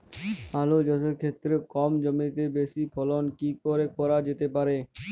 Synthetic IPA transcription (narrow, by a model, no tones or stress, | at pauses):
alod͡ʑɔseɾkʰet̪ːɾekɔmd͡ʒəmit̪ebesipʰɔlonkikoɾekɔɾad͡ʑet̪epaɾe